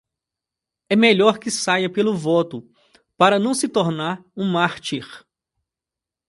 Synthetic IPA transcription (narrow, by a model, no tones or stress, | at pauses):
ɛmeʎɔɾkɪsajɐpelʊvɔt̪ʊ | paɾɐnɐ̃w̃sɪt̪oɾnaɾũmaɾt͡ʃ̪iɾ